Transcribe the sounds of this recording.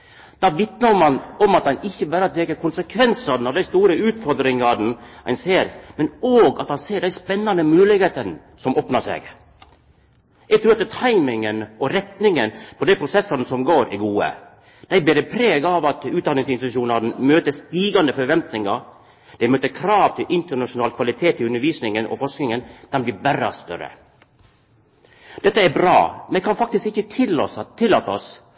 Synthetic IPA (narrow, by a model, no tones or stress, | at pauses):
d̪̥ɑʋɪt̪nəmɑnɔmɑt̪̚d̪ɑnɪçːəbæːɾt̪ɾeːkəkʰʊnsəkʰʋɛnsɑnɑʋd̪æɪst̪uːɾəʉːt̪fɔɾd̪ɾɪŋɑd̪n̩æɪnseːɾmɛnoːɡɑt̪ɑnseːɖæɪspɛnːɑnd̪əmʉːlɪɡheːt̪ən | sɔmʔoːpnɑʂḛɡ | ɛɡt̪ʰɾʉːɾɑt̪t̪ʰɑɪmɪŋənɔɾɛt̪nɪŋənpʰɔd̪ɛɪpʰɾʊsɛsːənəsɔmɡoːɾæ̰ɾɡuːə̰ | d̪̥æɪbeːɾəpʰɾeːɡɑʋɑt̪ʉːt̪d̪ɑnɪŋsɪnst̪ʉʃuːnɑd̪n̩møːt̪əst̪iːɡɑnd̪əfɔɾʋɛnt̪nɪŋɑɾ | d̪ɛɪmøːt̪əkʰɾɑːʋt̪ʰɪlʔɪnt̪əɳɑʂʊnɑːlkʰʋɑlɪt̪ʰeːt̪ɪʉnəɾʋiːsnɪŋənɔ̰fɔʂknɪŋənd̪̥ɛnbliːbæɾɑst̪œ̰ɾə̰ | d̪ɛt̪ːəæɾbɾɑ̰ːmɛkʰɑnfɑk̚t̪ɪskɪçːət̪ʰɪlːo̰ːsɑt̪ʰːɪlːɑːt̪ɔ̰s